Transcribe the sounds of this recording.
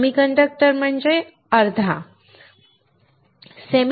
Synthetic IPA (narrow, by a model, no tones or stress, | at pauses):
mikəɳɖək̚ʈəɾm̤əɳd͡ʑe | əɾd̪ʱa | sem